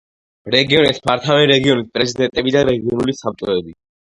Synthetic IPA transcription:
ɾɛɡiɔnɛspʰaɾt̪ʰavɛɾɛɡiɔnispʼɾɛzid̪ɛnt̪ʼɛbid̪aɾɛɡiɔnulisap̚t̪ʼɾɔɛbi

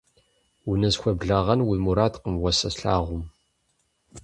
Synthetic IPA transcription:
winɐzxʷɐbɮaʁɐnwimuɾad̪qəmwɐsɐsɬa̰ːʁʷʊm

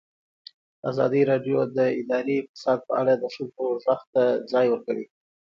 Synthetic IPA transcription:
a̰zɑ̰d̪iɾɑɖjod̪əɪd̪ɑɾiɪk̚t̪ɪ̥sɑd̪̚pəaɽad̪əsulpəwzaxt̪ad͡zɑjwəɾkawi

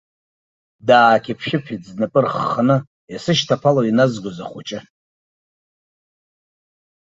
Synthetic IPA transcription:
daːkʲʰipʰʃɪpʰid͡znapʼɨrχːanɨ | jasɨʃtʰapʰalainazɡʷoza̰χʷut͡ʃʼɪ

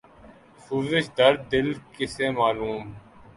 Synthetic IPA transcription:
suːzɪʃd̪əɾd̪ɪlkɪseːmaːluːm

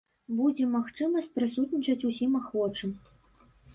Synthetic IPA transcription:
bud͡zʲɛmaxt͡ʂɨmɐsʲt̚ʲpɾɨsut̪nʲit͡ʃɐt͡sʲusʲimaxvɔt͡ʂɨm

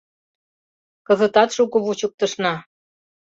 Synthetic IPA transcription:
kɤ̆zə̆t̪ɑt̪ʃukɤβut͡ɕuk̚t̪ɤ̆ʃnɑ

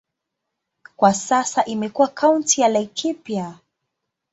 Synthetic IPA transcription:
kwasasaʔimɛkuwakʰawntijalaikʰipja

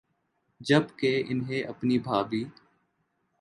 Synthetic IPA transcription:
d͡ʒəbkeːʔɪnɦẽːʔəpniːbʱaːbiː

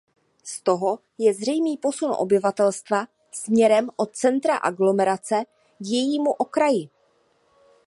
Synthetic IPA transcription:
st̪o̞ɦo̞ | jɛzrɛjmiːpo̞sunʔo̰bɪvat̪ɛlst̪va | smɲɛɾɛmʔo̞t̪̚t͡sɛnt̪ɾaʔaɡlo̞mɛɾat͡sɛ | ɡjɛjiːmuʔo̞kɾajɪ

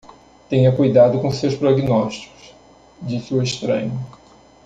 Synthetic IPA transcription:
t̪ẽɲɐkujd̪ad̪ʊkõsewspɾoɡinɔʃt͡ʃi̥kʊ̥s | d͡ʒisɪʊeʃt̪ɾɐ̰̃ɲʊ

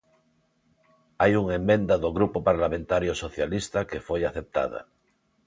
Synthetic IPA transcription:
ajuŋemːẽ̞nd̪aðoɣɾupopaɾlamẽnt̪aɾjosoθjalist̪akefojaθe̞p̚t̪a̰ð̞a̰

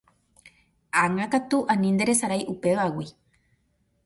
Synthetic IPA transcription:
aŋãkat̪uʔãnĩnd̪e̞ɾe̞saɾajʔupe̞ʋawi

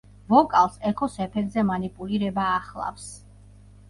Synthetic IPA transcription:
vɔkʼalˠsɛkʰɔsɛpʰɛɡzɛmanipʼuliɾɛbaːχlˠa̰fs

